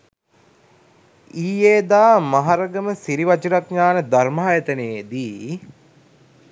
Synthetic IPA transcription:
iːjeːd̪aːmaɦaɾəɡəməsiɾiʋɐt͡ʃəɾakɲaːnəd̪armaːjət̪əneːd̪iː

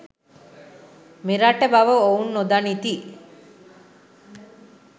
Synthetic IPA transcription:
miɾaʈəbaʋɐounːod̪anit̪i

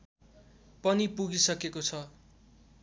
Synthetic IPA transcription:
pʌnipuɡisʌkekot͡sʰʌ

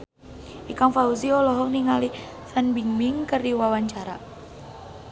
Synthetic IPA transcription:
ʔikaŋfauziɔlɔɦɔŋniŋali | sanbiŋbiŋkərdiwawaɲt͡ʃaɾa

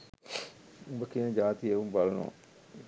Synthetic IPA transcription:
ubəkinəd͡ʒaːt̪ieʋumbɐlɐno̰

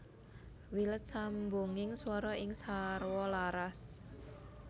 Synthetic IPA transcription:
wilət̪̚sambuŋɪŋswɔɾɔʔɪŋsarwɔlaɾas

